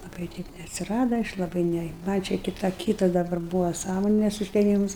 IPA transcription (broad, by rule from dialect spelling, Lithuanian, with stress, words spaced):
lˠɐˈbɐɪ ˈtʲɛɪp nʲɛɐtʲsʲɪˈrɑːdɐ ˈɐʃ lˠɐˈbɐɪ ˈnʲɛ mɐnʲ t͡ʃʲɛ kʲɪˈtoː ˈkʲiːtɐs dɐˈbɐr ˈbuːʋoː ˈsɑːmoːnʲɛs ʊʃʲtʲɛˈmʲɪms